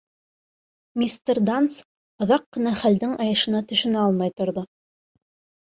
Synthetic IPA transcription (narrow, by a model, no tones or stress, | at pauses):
mʲist̪erd̪ans | ŏðɑqːɤ̆nɑχæld̪ɘŋɑjɤ̆ʃɤ̆nɑt̪ɵ̆ʃɵ̆næɑlˠmɑjt̪ŏɾðo